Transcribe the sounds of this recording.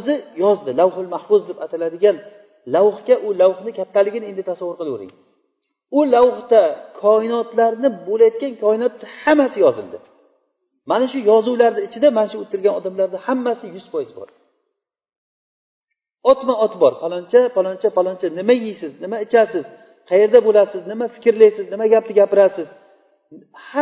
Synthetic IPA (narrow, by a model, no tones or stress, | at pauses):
zɪjɒzd̪ɪlawhʊlmahfʊzd̪ɪpat̪ʰalad̪ɪɡʲan | lawχkʲaʔʊlawχnɪkʲʰat̪ʰːalɪɡʲɪnɪe̞nd̪ɪt̪ʰasavwːʊɾqʰɨlˠʊɾɪ̰ŋ | ʊlawχt̪akʰɒɪnɒt̪laɾnɪbolajt̪̚kʲankʰɒɪnɒt̪ːahamasɪjɒzɪ̰lˠd̪ɪ | manaʃʊjɒzuwlaɾnɪːt͡ʃʰɪd̪amanaʃʊot̪ʰːɪɾɡʲanɒd̪amlaɾd̪ɪhamːasɪjʊz̥pʰɒjɪzbɒ̰ɾ | ɒt̪maɒt̪bɒɾpʰalˠɒnt͡ʃʰapʰalˠɒnt͡ʃʰapalˠɒnt͡ʃʰanɪmajijsɪznɪmaɪt͡ʃʰasɪz̥ | qʰɑje̞ɾd̪abolasɪznɪmafɪ̥kʲɪɾlajsɪznɪmaɡʲap̚t̪ɪɡʲapɪɾasɪz | ha